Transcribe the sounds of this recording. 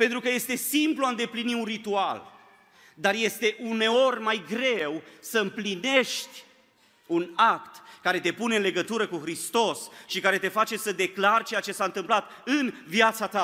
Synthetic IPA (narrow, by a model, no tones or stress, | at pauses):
pent̪ɾukəje̞st̪e̞simpluaɨnd̪epliniunrit̪ual | d̪arje̞st̪e̞ʔune̞o̞rʲmajɡɾe̞wsəɨmpline̞ʃt̪ʲ | unakt̪kaɾe̞t̪e̞pune̞ɨnle̞ɡət̪uɾəkuxɾist̪o̞sʃikaɾe̞t̪e̞fat͡ʃe̞səd̪e̞klart͡ʃe̞jat͡ʃe̞saɨnt̪ɨmplat̪ | ɨnvjat̪sat̪a